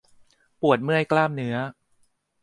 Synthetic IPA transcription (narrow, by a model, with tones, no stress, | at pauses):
pu˨˩ət̪̚mɯ˥˩əjklaː˥˩mnɯ˦˥ɐ